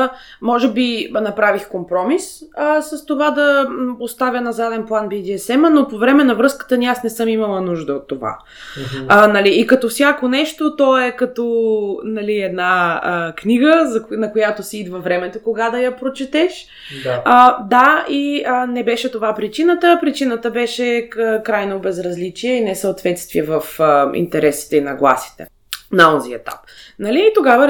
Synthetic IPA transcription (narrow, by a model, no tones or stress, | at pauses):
mɔʒɛbinɐpɾavixkompɾɔmisəsəst̪ovad̪ɐpost̪avʲjənɐzad̪ɛnplˠanbid̪iɛsɛmənopovɾɛmɛnɐvɾɤskə̥t̪əniasnɛsɤmimɐlˠɐnuʒd̪əot̪ːova̰ | nɐliːkɐt̪ɔfsʲjakonɛʃt̪ot̪ɔɛkɐt̪ɔnɐliɛd̪naəkniɡəzɐnɐkojat̪osiid̪vəvɾɛmɛt̪okoɡad̪ɐjɐpɾot͡ʃɛt̪ɛʃ | əd̪aiənɛbɛʃɛt̪ovapɾit͡ʃinət̪əpɾit͡ʃinət̪əbɛʃɛəkɾajnobɛzɾɐzlit͡ʃiɛinɛsəot̪vɛt̪st̪viɛvəfəḭnt̪ɛɾɛsi̥t̪ɛinɐɡlˠa̰si̥t̪ɛ̰ | naziɛt̪a̰p̚nɐliːt̪oɡavə